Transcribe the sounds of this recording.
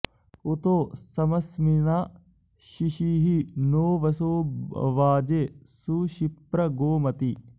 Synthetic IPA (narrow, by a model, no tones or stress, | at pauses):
ut̪oːsɐmɐsmina | ʃiʃiɦinoːʋɐsoːʋaːd͡ʒesuːʃipɾɐɡoːmɐt̪i